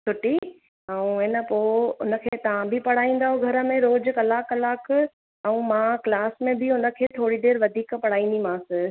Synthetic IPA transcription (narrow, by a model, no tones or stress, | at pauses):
sʊʈi | ɛũenəpoːʊnə̆kʰeːt̪ɐʋãbʱɪpɐɽ̤aːĩːn̆d̪aːɦoɡʱɐɾə̆mẽɾoːd͡ʑkɐlaːkɐlaːk | ɛ̃ũmãklaːsmẽbʱɪʊnə̆kʰeːt̪ʰoːɽiɖeːɾʋɐd̪ʱiːkpɐɽ̤aːĩːn̆d̪imãːsɪ̃